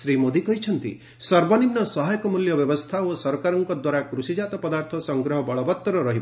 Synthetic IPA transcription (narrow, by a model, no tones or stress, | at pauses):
sɾimod̪ikɔɦit͡ʃʰɔnt̪ḭ | sɔɾbɔnimnɔsɔɦajɔkɔmuljɔbjɔbɔst̪ʰaosɔɾkaɾɔŋkɔd̪waɾakɾusid͡ʒat̪ɔpɔd̪aɾt̪ʰɔsɔŋɡɾɔɦɔbɔɭɔbɔt̪ːɔɾɔɾɔɦibɔ